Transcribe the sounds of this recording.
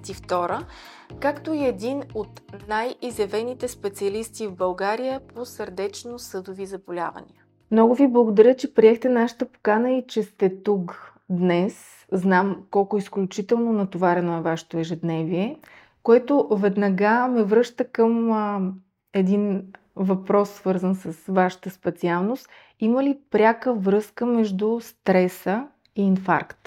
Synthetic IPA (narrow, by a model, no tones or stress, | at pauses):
t̪ift̪ɔɾə | kakt̪oiɛd̪inot̪najizɛvɛnit̪ɛspɛt̪siɐlist̪ivbɐlˠɡaɾijəposəɾd̪ɛt͡ʃnosɤd̪ovizɐbolʲa̰və̰nḭə | mnɔɡʊviblˠəɡod̪ɐɾʲət͡ʃɛpɾiɛxt̪ɛnaʃə̥t̪əpo̥kanəit͡ʃɛst̪ɛt̪uk | d̪nɛs | znamkɔlˠkʊisklʲut͡ʃit̪ɛlˠnonɐt̪ovaɾɛnoɛvaʃɛ̥t̪oɛʒɛd̪nɛviɛ | koɛt̪ovɛd̪nɐɡamɛvɾɤʃt̪əkəm | ɛd̪in | vɐpɾɔsːvɤɾzənsəsvaʃə̥t̪əspɛt̪sialˠnost̪ | iməlipɾʲakəvɾɤskəmɛʒd̪ʊst̪ɾɛsə | iːnfa̰ɾkt̪